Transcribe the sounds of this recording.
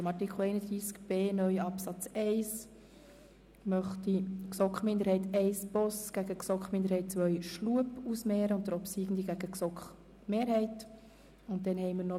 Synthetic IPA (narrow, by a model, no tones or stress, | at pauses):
mɑɾtikχl̩ɛɪnəd̪ɾiːskb̥eːnœʏɑpsɑt͡sɛɪs | mœχtiksɔkχmɪnd̪əɾhɛɪtɛɪsb̥ɔsɡ̥æɡəksɔkχmɪnd̪əɾhɛɪt̚t͡sʋœʏʃluəpusmɛːɾəʊntd̥əɾɔpsiːɡn̩d̪iɡæɡ̥əksɔkχ | meːɾhɛɪt | ʊnt̚d̥ɛnhɛɪməɾnɔ